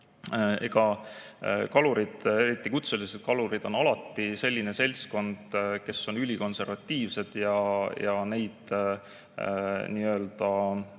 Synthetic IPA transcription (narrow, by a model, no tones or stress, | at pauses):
e̞ɡ̥ɑ | kɑluɾid̪̥e̞ɾit̪ˑːikut̪selise̞d̪̥̚kɑluɾid̪̥o̞nɑlɑt̪ːˑise̞lʲːine̞se̞lʲsko̞nd̪̥ke̞sːo̞nylʲiko̞nse̞rvɑt̪ʲːiːvse̞d̪̥jɑjɑne̞jd̪̥ | niːø̞ːld̪̥ɑ